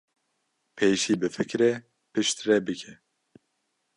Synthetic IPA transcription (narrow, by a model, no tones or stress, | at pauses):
pʰeːʃiːbɨfɨkɾɛ | pɨʃt̪rɛbɨkʰɛ